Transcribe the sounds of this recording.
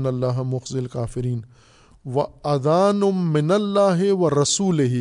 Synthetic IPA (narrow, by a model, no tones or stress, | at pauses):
nɐlːaːɦmʊxzɪlkaːfɪɾiːn | ʋɐɐd̪aːnʊːɪnɐlːaːɦɪʋɐɾɐsuːlɪɦ